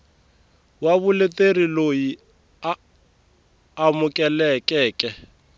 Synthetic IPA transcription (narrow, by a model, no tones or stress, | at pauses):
waβʊlɪteriloji | a | mʊkʼɛlɛkʼɛːkʼɛ